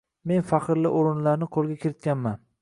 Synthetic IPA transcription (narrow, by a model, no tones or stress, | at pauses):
me̞nfaqʰɾlɪʔoɾɪnlaɾnɪqʰolˠɡʲakʲʰɪɾɪt̪̚kʲanman